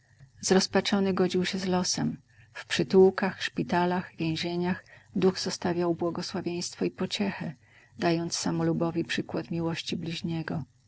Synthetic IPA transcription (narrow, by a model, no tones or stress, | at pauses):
zɾɔspat͡ʂɔnɘɡɔd͡ʑiwɕɛzlɔsɛm | fpʂɘt̪uwkaxʂpʲit̪alaɣvʲjɛ̃w̃ʑeɲaxd̪uɣz̥ɔst̪avʲjawbwɔɡɔswavʲjej̃st̪fɔipɔt͡ɕɛxɛ | d̪ajɔnt̪ssamɔlubɔvʲipʂɘkwat̪mʲiwɔɕt͡ɕiblʲiʑɲɛɡɔ